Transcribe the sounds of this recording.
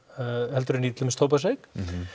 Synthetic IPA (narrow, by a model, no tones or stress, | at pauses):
hɛlt̪ʏɾɪniːt̪lɪmɪst̪ʰowpas̬ek